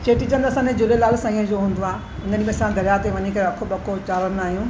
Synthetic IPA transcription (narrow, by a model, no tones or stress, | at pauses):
t͡ɕeːʈit͡ɕənd̪ɐsãːd͡ʑed͡ʑʊlelaːlsãːĩːə̃d͡ʑoːɦũːnd̪oaː | ɪnənĩmẽɐsãd̪ʱɐɾjat̪eʋɐɲekɐɾeɐkʰoɓɐkot͡ɕaːlənaːɦijũː